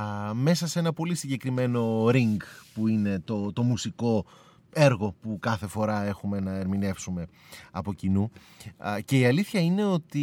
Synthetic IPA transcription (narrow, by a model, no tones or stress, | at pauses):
me̞sɐse̞nɐpo̞lisiɲɟe̞kɾime̞no̞ɾiŋɡpuine̞t̪o̞t̪o̞musiko̞ | e̞ɾɣo̞pukɐθe̞fo̞ɾɐe̞xume̞nɐeɾmine̞fsume̞ɐpo̞cinu | ce̞iɐliθçɐine̞o̞t̪i